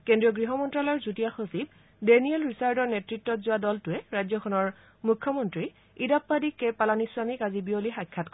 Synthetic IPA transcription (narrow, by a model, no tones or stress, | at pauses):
kendɹiɔɡɹiɦɔmɔntɹalɔɹzutijaxosib̚ | deniɛlɹisaɹdɔɹnetɹitːɔtzʊadɔltʊɛɹajzɔkʰɔnɔɹ | mukʰːɔmɔntɹi | idapːadikːepalaniswamikazibiolixajkʰːatkɔ